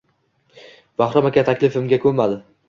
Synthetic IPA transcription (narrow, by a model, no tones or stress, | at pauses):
b̥aχɾɒmakʲat̪ʰakʲlɪfɪmɡʲakʰɵɾmad̪ɪ